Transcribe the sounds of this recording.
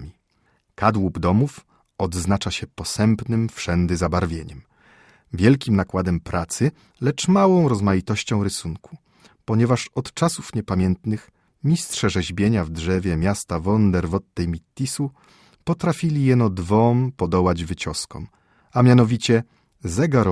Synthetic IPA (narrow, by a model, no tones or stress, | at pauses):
mʲi | kad̪wubd̪ɔmuf | ɔd̪znat͡ʂaɕɛpɔsɛmpnɘmfʂɛnd̪ɘzabaɾvʲjeɲɛm | vʲjɛlkʲimnakwad̪ɛmpɾat̪sɘ | lɛt͡ʂmawɔ̃w̃ɾɔzmajit̪ɔɕt͡ɕɔ̃w̃ɾɘsuŋkʰu̥ | pɔɲɛvaʂɔt̪t͡ʂasufɲɛpamʲjɛnt̪nɘx | mʲistʂɛʐɛʑbʲjeɲavdʐɛvʲjɛmʲjast̪avɔnd̪ɛɾvɔt̪̚nɛjmʲit̪ʲːisu | pɔt̪ɾafʲilʲijɛnɔd̪vɔmpɔd̪ɔwad͡ʑvɘt͡ɕɔskɔ̰m | amʲjanɔvʲit͡ɕɛ | zɛɡaɾ